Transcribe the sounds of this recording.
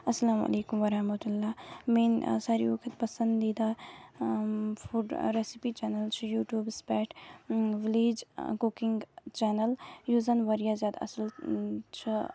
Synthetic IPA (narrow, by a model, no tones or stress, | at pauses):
ɐsːɐlaːmɐ̰leːkʊmʋɐɾɐhmɐt̪ulːaːmeːnsaːɾḭokʰət̪pɐsə̃nd̪d̪iːd̪a | fuɖɾɛːsipit͡ʃɛːnəlt͡ʃʰjuːʈjuːbspɛːʈʰʋɪleːd͡ʒkukɪŋɡt͡ʃɛːnəljuːzənʋɐɾijazʲjaːd̪a̰ɐ̰səlt͡ʃʰ